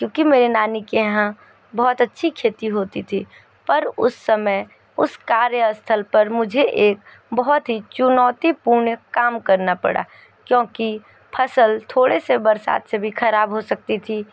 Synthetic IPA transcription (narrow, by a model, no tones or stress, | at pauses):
kjõːkimeːɾenaːnikeɦã | bɔːt̪ɐtːʃʰikʰeːt̪iɦoːt̪it̪ʰiː | pɐɾʊ̰sːəməj | ʊskaːɾjəst̪ʰəlpɐɾmʊd͡ʒʱeʔeːk | bɔɦɔt̪ɦit͡ʃʊnɔːt̪ipuːɾɳkaːmkɐɾnapɐ̰ɽa̰ː | kjõːki | pʰɐsəlt̪ʰoːɽesebɐɾsa̰ːt̪sebʱixʰɐɾaːbɦosək̚t̪it̪ʰi